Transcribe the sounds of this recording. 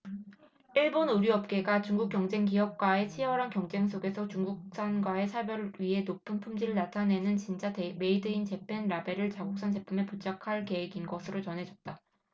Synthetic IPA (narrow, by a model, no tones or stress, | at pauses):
iɭbonuɾiʌp̚k͈e̞ɡat͡ɕuŋɡuk͈jʌŋd͡ʑe̞ŋkiɦʌk̚k͈wae̞t͡ɕʰiʌɾankjʌŋd͡ʑe̞ŋs̬͈ʰoɡe̞sʰʌt͡ɕuŋɡuk̚s͈anɡwae̞sʰabjʌɾɥiɦe̞nopʰɯnpʰumd͡ʑiɾɯɭnatʰane̞nɯnt͡ɕint͡ɕ͈ateme̞idɯint͡ɕe̞pʰe̞nɾabe̞ɾɯɭt͡ɕaɡok̚s͈ʰand͡ʑe̞pʰume̞put͡ɕʰakʰaɭke̞ɦeɡinɡʌsʰɯɾot͡ɕʌnɦe̞d͡ʑʌt̚t͈a